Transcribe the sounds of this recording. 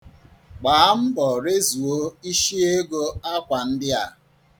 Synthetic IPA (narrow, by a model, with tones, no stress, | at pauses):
k͡paː˨˦m̩˦bɔ˨ɾe˦zu˨o˦i˦ʃi˦e˦ɡo˦a˦kʷa˨n̩˦dɪ˦a˨